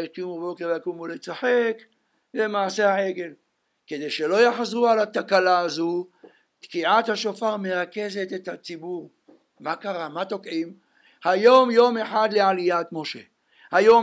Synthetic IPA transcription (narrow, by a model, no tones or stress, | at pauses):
eʃkijumabo̞keʁvejakumulet͡saħe̞k | le̞maːsehaeɡe̞l | ked̪e̞jʃe̞lo̞jaħzʁualat̪akalaːzu | t̪kiʕat̪haʃo̞faʁme̞ʁake̞ze̞t̪et̪hat͡sibuʁ | makaʁamat̪o̞kʕim | hajo̞mjo̞me̞ħad̪le̞alijat̪mo̞ʃe | hajo̞